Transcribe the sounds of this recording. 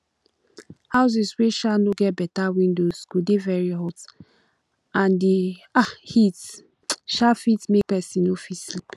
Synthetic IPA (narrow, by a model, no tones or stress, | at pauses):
haʊs̬isweʃanoɡɛt̚bɛtawĩndoskudevɛɹiɦɔt | ãndiahit | ʃafitmek̚pɛsĩnofislip